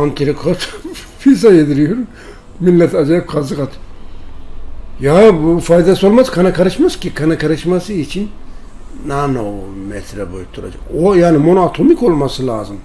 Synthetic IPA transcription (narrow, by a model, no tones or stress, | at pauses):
ant̪ʰiɾikʰot̪ | fis̬ajed̪iɾijoɾun | milːɛt̪ʰad͡ʒajip̚kʰazɯkat̪ʰɯ̥ | jafajd̪asɯo̞lˠmazkʰanakaɾɯʃmascʲikʰanakʰaɾɯʃmasɯit͡ʃʰinː | anomɛsiɾɛbojut̪ʰːuɾa̰d͡ʒa̰kojaːnimo̞noat̪ʰo̞miko̞lˠmasɯlˠa̰ːzɯm